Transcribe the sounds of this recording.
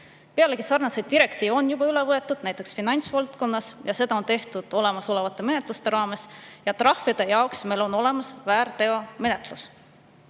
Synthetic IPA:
pe̞ɑleɡisɑrnɑsejd̪̚d̪iɾe̞kt̪iːvo̞njub̥ɑylevɤet̪ːˑud̪̥næjt̪ːˑe̞ksfinɑnʲt̪svɑlt̪ko̞nːɑsjɑse̞d̪ɑo̞nt̪e̞ht̪ud̪̥o̞le̞mɑso̞le̞vɑt̪ːˑe̞me̞ne̞t̪ˑlust̪e̞ɾɑːme̞sjɑt̪rɑhvid̪̥e̞jɑoksme̞jlo̞no̞le̞mɑsvæːɾt̪e̞ome̞ne̞t̪lus

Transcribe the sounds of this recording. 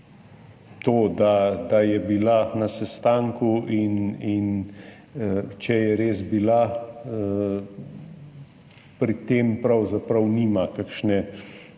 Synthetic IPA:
t̪oːd̪ad̪ajɛbilanɐsɛst̪aːŋkuinin | t͡ʃɛjɛɾeːzbila | pɾit̪eːmpɾɐwzapɾɐwniːmakakʃnɛ

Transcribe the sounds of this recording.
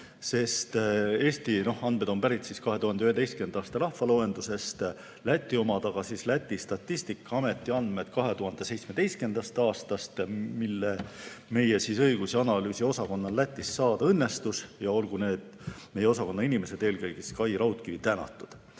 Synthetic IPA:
se̞st̪e̞ːst̪ino̞hɑnme̞d̪o̞mpæɾit̪ˑsiskɑɦe̞t̪uhɑnd̪eyɦe̞d̪ejstke̞nd̪ɑːst̪ɑlɑhfɑloe̞nd̪̥use̞st̪ | læt̪ːˑio̞mɑd̪ɑɡ̥ɑsislæt̪ʲːˑist̪ɑt̪ˑːist̪ikːˑɑɑme̞t̪ːˑiɑnd̪met̪kɑɦe̞t̪uɦɑnd̪e̞se̞jt̪sme̞d̪e̞jst̪kend̪̥ɑst̪ɑːst̪ɑst̪milːeme̞jesisɤ̞jɡ̥usiɑnɑlyːsio̞sɑko̞nːɑlːæt̪ːˑisːɑːd̪̥ɑɤnːe̞st̪usjɑo̞lɡ̥une̞ːd̪̥me̞jeosɑko̞nːɑinime̞se̞d̪̥e̞ːlkɤjɡ̥iskɑjɾɑwt̪kit̪ænɑ̰t̪ːˑud̪̥

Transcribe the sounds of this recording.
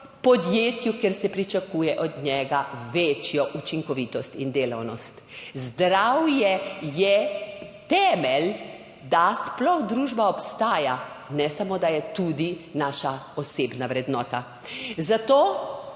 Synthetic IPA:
pɔd̪jeːt̪jukeɾsɛpɾit͡ʃakuːjɛʔɔd̪ɲɛɡaʋet͡ʃjɔʔut͡ʃiŋkɔʋiːt̪ɔst̪ind̪eːlawnɔst̪zd̪ɾawjɛjɛt̪ɛːmɛl | d̪asplɔxd̪ɾuːʒbaɔpst̪aːja | nɛsamod̪ajɛt̪ud̪inaːʃaɔseːbnaʋɾɛd̪nɔːt̪a | zat̪oː

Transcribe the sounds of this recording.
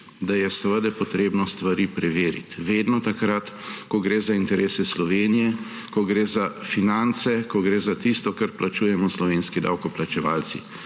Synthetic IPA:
d̪ajɛsəʋəd̪ɛpɔt̪ɾeːbnɔst̪ʋaɾiːpɾɛʋeːɾḭt̪ʋeːd̪nɔt̪akɾat̪ | kɔɡɾeːzaint̪ɛɾʔeːsɛslɔʋeːnijɛ | kɔɡɾeːzafinant̪sɛkɔɡɾeːzat̪ist̪ɔkɐɾplat͡ʃuːjɛmɔslɔʋeːnskid̪a̰wkɔplat͡ʃɛʋa̰ːlt̪sḭ

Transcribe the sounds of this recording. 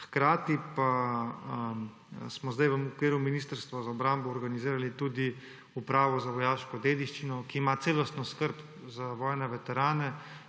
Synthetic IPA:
xkɾaːt̪ipa | smɔzd̪ajʋəmukʋeːɾuminiːst̪əɾst̪ʋɔzaɔbɾambɔːɾɡaniziːɾalit̪ud̪i | upɾaːʋɔzaʋɔjaːʃkɔd̪eːd̪iʃt͡ʃinɔkiːmat̪seːlɔst̪nɔskəɾp | zaʋɔːjnɛʋɛt̪ɛɾaːnɛ

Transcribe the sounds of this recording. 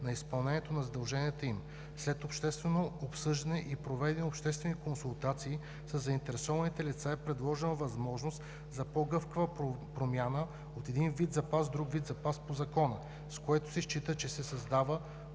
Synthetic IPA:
nɐispɐlˠnɛnʲiɛt̪onɐzɐd̪ɐlˠʒɛnʲiɛt̪əim | slɛt̪opʃt̪ɛst̪vɛnoopsɤʒd̪ɐnɛʔipɾovɛd̪ɛnɛopʃt̪ɛst̪vɛnikonsulˠt̪at̪siː | sɐzːɐint̪ɛɾɛsɔvɐnit̪ɛlit̪saɛpɾɛd̪lˠɔʒɛnəvɐzmɔʒnost̪ | zɐpoɡɤfkəvəpɾomʲjanə | ot̪ɛd̪invid̪zɐpasd̪ɾuɡvid̪zɐpaspozɐkɔnə | skoɛt̪ʊ̥sɛʃt͡ʃit̪ət͡ʃɛsɛsɐzd̪avə

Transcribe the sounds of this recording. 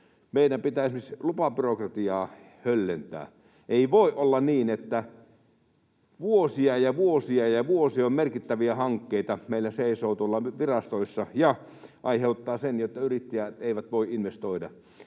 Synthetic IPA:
meidæmpit̪æˑismislupɑpyrokrɑt̪iɑː | hølːent̪æ̰ː | ʔeiʋoˑiʔolːɑniːnet̪ːæ | ʋuosiɑjɑʋuosiɑjɑʋuosiommerkit̪ːæʋiæhɑŋkːeit̪ɑmeilːæseˑisoːt̪uolːɑʋirɑst̪oisːɑjɑ | ʔɑiheut̪ːɑːsenjot̪ːɑyrit̪ːæjæt̪eˑiʋæt̪ʋoiʔʔinʋest̪oidɑ̰

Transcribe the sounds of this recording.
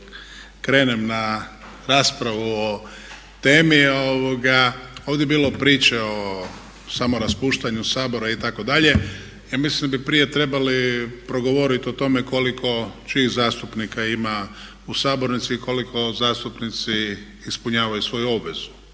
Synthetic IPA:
kɾe̞ːnemna | ɾaːspɾaʋuo | t̪eːmioʋo̞ɡaoːʋd̪jebiːlopɾiːt͡ʃeo̞ | samo̞ɾaspuːʃt̪aɲusaːbo̞ɾait̪ako̞d̪aʎe̞ | jaːmislimd̪abipɾije̞t̪ɾe̞balipɾo̞ɡo̞ʋo̞ɾit̪io̞t̪o̞me̞ko̞likʰo̞t͡ʃiːxzaːst̪upnikaima | usaːbo̞ɾnit̪siko̞likʰo̞zaːst̪upnit̪siː | spuɲaːʋajusʋo̞juo̞bʋez̥u̥

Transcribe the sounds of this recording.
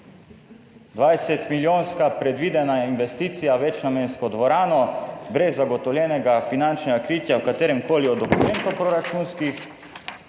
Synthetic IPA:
d̪ʋajsɛt̪miljoːnskapɾɛd̪ʋiːd̪ɛnainʋɛst̪iːt̪sijaʋɛt͡ʃnameːnskɔd̪ʋɔɾaːnɔbɾɛzːaɡɔt̪ɔwljɛːnɛɡafinant͡ʃnɛɡakɾiːt̪jawkat̪eːɾɛmkoːliɔd̪ɔkumɛːnt̪upɾɔɾat͡ʃuːnskix

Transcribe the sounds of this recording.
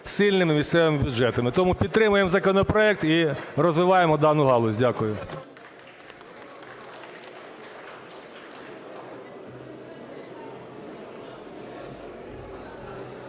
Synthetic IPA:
sɪlʲnɪmɪmʲisʲt̪sɛʋɪmɪbʲjʊd͡ʒɛt̪ɐmɪt̪ɔmupʲid̪̚t̪ɾɪmʊjemzɐkɔnɔpɾɔɛk̚t̪irɔzʋɪʋɑjemɔd̪ɑnʊɦɑlˠʊzʲdʲakʊjʊ

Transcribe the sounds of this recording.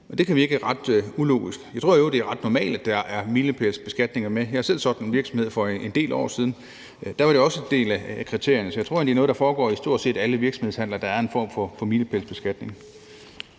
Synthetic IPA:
ʔɒ̽d̥e̝kʰæʋie̝ɡ̥əæʁɑ̈d̥ulo̝̰ːɡisɡ̥jɑɪt͡sʰʁo̝̰jod̥e̝æɐʁɑ̈d̥nɒmɛ̰ːld̥æd̥ɑʔæɐmiləpʰelsb̥e̝sɡ̥æd̥ne̝ŋɐmejɑhæɐsel̰sɒ̽ɡ̥nenʋiɐɡ̥sɒ̽mhe̝ð̞̰ˠfɒ̽end̥e̝̰ːlɒ̰ːsiːð̞ˠn̩ | d̥æʋɑ̈ɾ̥e̝ɒ̽səend̥e̝̰ːlækʰʁit͡sʰe̝ɐ̰jɐnəsɒ̥jɑ̈ɪo̝ɐ̰ende̝ɐnɔːðˠd̥ɑfɒːɡ̥ɒ̰ːisd̥o̝ɐd̥se̝̰ːd̥æləʋiɐɡ̥sɒmhð̞ˠshæn̰lɐd̥ɑ̈æɐe̝nfɒ̰ːmfɒ̽fɒ̽miləpʰelsb̥e̝sɡ̥æd̥ne̝ŋ

